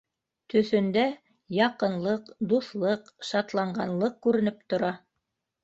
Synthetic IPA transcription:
t̪ɵ̆θɵ̆nd̪æ | jɑqɤ̆nlˠɤqd̪uθlˠɤqʃɑt̪lˠɑɴɢɑnlˠɤq̚kʉɾɘ̆nɘpt̪ŏɾɑ

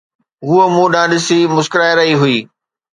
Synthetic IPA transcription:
ɦuəmũːɗãːɗɪsimʊskɾaːeɾɐɦiɦʊiː

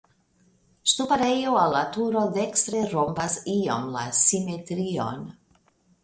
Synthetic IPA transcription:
st̪upaɾejoalːatuɾod̪ekst̪ɾeɾombasio̰mla̰simetɾio̰n

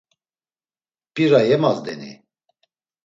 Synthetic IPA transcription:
pʼiɾajɛmazd̪ɛ̰nḭ

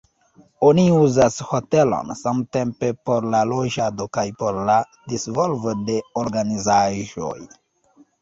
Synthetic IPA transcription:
oniuzasho̞te̞lo̞̰nsamte̞mpe̞po̞ɾlaloʒado̞kajpo̞ɾla | disvo̞lvode̞oɾɡanizaʒo̞̰j

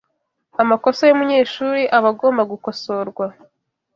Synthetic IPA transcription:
amakosojumuɲe̞ːʃuːɾiʔaβaɡo̞ːmbaɡuko̞so̞ɾɡwa

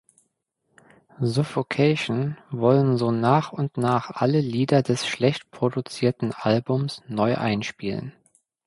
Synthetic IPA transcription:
zʊfokʰɛʃn̩vɔlənzoːnaːχʊntnaːχʔaləliːdɐdɛsʃlɛçtpʁ̥odut͡siːɐtn̩ʔalbʊmsnɔʏʔa̰ɪnʃpiːlə̰n

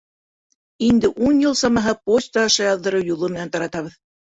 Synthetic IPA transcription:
ind̪ɘʔunjɤlˠsɑmɑɦɤposʲt̪ɑɑʃɑjɑðːɤ̆ɾɤwjulˠomɘ̆nænt̪ɑɾɑt̪ɑβɤð

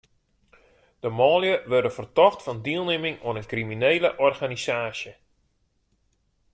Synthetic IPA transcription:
d̥əmɔːljəʋørdənfərtɔxtfɑndiəlˠnemɪŋw̰ənənkrimineːləʔɔrɣanisaːsjə

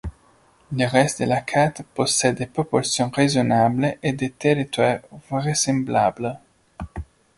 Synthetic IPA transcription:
ləʁɛst̪d̪əlakʰat̪posɛepɾopɔlsjɔ̃ŋʁezonableʔed̪et̪eɾit̪waʁvəʁesẽmblablə

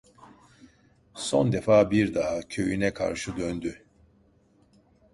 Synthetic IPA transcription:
so̞̰nd̪efaːbiɾd̪aɦacʰø̞jynɛkʰa̰ɾʃɯd̪ønd̪y

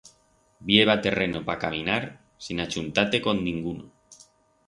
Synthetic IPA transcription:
bjeβ̞at̪e̞re̞nopakamĩnaɾ | sinat͡ʃunt̪at̪e̞ko̞ndĩŋɡuno

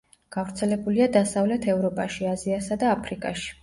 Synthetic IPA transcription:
ɡ̥avɾt̪sʰɛlɛbuliad̪asavlɛt̪ʰɛvɾɔpʼaʃiaziasad̪aːpʰɾikʼa̰ʃi̥

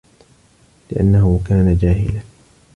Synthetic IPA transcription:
lɪʔa̰nːahʊkaːnad͡ʒaːhɪ̰la

